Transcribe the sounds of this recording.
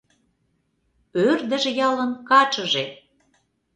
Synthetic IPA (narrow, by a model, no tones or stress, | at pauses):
ørd̪ə̆ʒĕjɑlə̆nkɑt͡ʃə̆ʒe